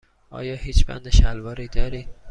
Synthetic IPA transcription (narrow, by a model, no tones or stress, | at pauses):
ʔɒ̰ːjɒːhiːt͡ʃʰb̥æ̰nd̪eʃælvɒːɾiːd̪ɒːɾiː